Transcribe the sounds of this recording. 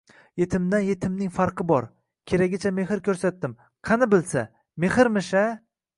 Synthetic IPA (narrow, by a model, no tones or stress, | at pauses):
je̞t̪ʰɪmd̪anje̞t̪ʰɪmnɪŋfaɾqʰɨbɒɾ | kʲʰeɾaɡʲɪt͡ʃʰame̞hɪɾkʲʰɵɾsat̪̚d̪ːɪm | qʰɑnɪbɪlsa | mehɪɾmɪʃa